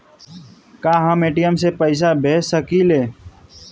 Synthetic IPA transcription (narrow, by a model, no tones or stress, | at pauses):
kaːɦəmeːʈijəmsepəɪs̬abʱeːsəkiːleː